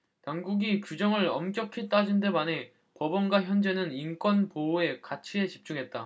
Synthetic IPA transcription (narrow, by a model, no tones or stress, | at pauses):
taŋɡuɡikjud͡ʑʌŋɯɾʌmk͈jʌkʰit͈ad͡ʑinde̞mane̞ | pʌbʌnɡwaçjʌnd͡ʑe̞nɯnink͈wʌnpoe̞kat͡ɕʰie̞t͡ɕi̥p̚t͡ɕ͈uŋɦe̞t̚t͈a